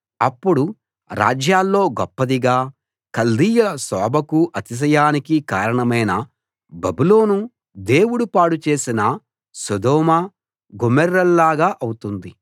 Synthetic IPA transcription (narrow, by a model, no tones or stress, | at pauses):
ɐpːuɽu | ɾa̰ːd͡ʒjaːlːo̞ːɡɔpːɐd̪iɡaː | kɐld̪iːjɐlɐsɔːbʱɐkuʔɐt̪is̬ɐjaːnikikaːɾɐɳɐmɐjnɐ | bɐbulo̞ːnu | d̪e̞ːwuɽupaːɽut͡ʃe̞ːsinɐ | sod̪ɔːmɐ | ɡomɛɾːɐlːaːɡaːʔɐwut̪und̪i